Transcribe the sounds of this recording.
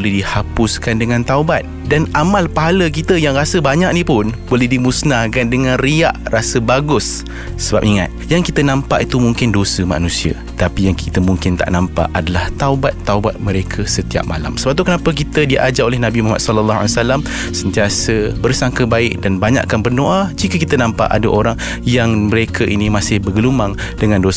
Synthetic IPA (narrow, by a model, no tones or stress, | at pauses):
olɛhdihapʊskandəŋãnt̪aubat̪̚danamalpaɦalək̬it̪əjaŋrasəbaɲaʔ̚nipʊnbolɛhdimusnakandəŋãnria̰ʔrasəbaɡʊsː | əba̰p̚iŋa̰t̪̚jaŋkit̪ənãmpaʔit̪umuŋkɪndosəma̰nũsia̰ | t̪apijaŋki̥t̪əmuŋkɪnt̪a̰ʔnãmpa̰ʔadalaht̪aubat̪ːaubat̪̚mə̃ɾekʰəsət̪ia̰p̚ma̰la̰msəbap̚t̪ukənapək̬it̪ədiʔa̰d͡ʒaolɛhnãbimoɦamat̪sɔləlːaɦa̰liasalam | sənt̪iasəbərsaŋkəbaɪk̚danbaɲa̰ʔkanpərnoʔad͡ʒikəkit̪ənãmpa̰ʔa̰dəʔoɾaŋ | jaŋməɾekʰəʔinimasɪhbəɡəlumaŋ | dəŋãndo